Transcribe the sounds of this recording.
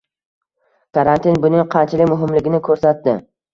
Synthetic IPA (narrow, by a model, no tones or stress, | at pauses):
kʰaɾant̪inbʊnɪŋqʰɑnt͡ʃʰalɪkʲmʊɦɪmlɪɡʲɪnɪkʰɵɾsat̪dɪ